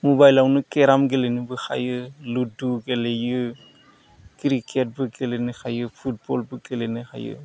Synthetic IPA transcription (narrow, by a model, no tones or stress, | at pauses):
mɔbajlawnɯkeɾamɡelenɯbɯxʰa̰jɯluduɡelejɯ | kiɾikʰet̚bɯkelenɯkʰajɯpʰut̚bɔlbɯkelenɯkʰa̰jɯ̰